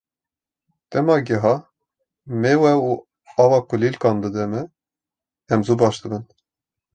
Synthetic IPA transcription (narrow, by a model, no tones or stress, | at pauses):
t̪ɛmɑːɡɛɦɑ | mewɛu | ɑːwɑːkʊlilkɑːnd̪ɨd̪ɛmɨ | ɛmzubɑʃd̪ɨbən